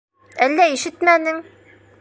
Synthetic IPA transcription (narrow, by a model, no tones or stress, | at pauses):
ælːæiʃɘt̪mænɘŋ